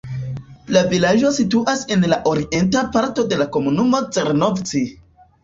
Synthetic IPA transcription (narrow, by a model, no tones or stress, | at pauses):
lavilaʒo̞situʔase̞nlaʔo̞ɾiʔe̞ntapaɾto̞de̞lako̞munumo̞t͡seɾnovt͡si